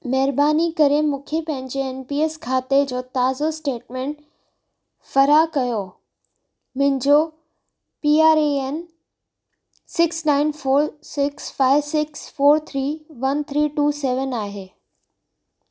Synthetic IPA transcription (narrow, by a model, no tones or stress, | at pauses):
mɛɦɾbaːnikɐɾemʊ̃ːkʰepɐ̃ɦɪ̃ɲd͡ʑeɛnpiːeskʰaːt̪ed͡ʑoːt̪aːzosʈeːʈmɛ̃ːɳʈ | fɐɾakɐjo | mɪ̃ɪ̃nd͡ʑo | piːaːɾeen | sɪksnãːɪnfoːɾsɪksfaːɪʋsɪksfoːɾt̪ʰɾiːʋɐnt̪ʰɾiːʈuːsɛːʋənaːɦeː